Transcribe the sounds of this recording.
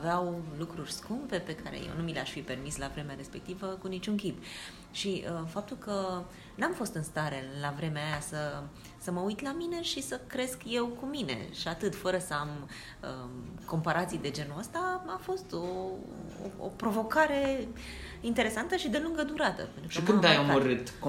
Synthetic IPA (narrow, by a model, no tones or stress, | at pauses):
veawlukɾurʲskumpe̞pe̞kaɾḛjḛwnumileaʃfipe̞rmislavɾe̞meaɾe̞spe̞k̚t̪ivəkunit͡ʃuŋkʲip | ʃiəfap̚t̪ulkə | namfo̞st̪ɨnst̪aɾe̞lavɾe̞meajasə | səməujt̪lamine̞ʃisəkɾe̞skje̞wkumine̞̰ʃiat̪ɨt̪fəɾəsəam | ə̰ko̞mpaɾʔat̪sijd̪e̞d͡ʒe̞nuəst̪aafo̞st̪o | o̰o̰pɾo̞vo̞kaɾe̞ | int̪eɾe̞sant̪əʃid̪e̞luŋɡəd̪uɾat̪ə̰pent̪ɾuʃkimkumd̪ajaməɾɨt̪